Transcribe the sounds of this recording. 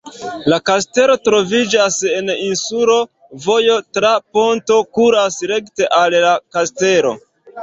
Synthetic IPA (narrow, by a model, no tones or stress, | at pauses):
lakaste̞lo̞tɾo̞vid͡ʒase̞ninsuɾo̞ | vo̞jo̞tɾapo̞nto̞kuɾasɾe̞kte̞ʔalːakaste̞ɾo̞̰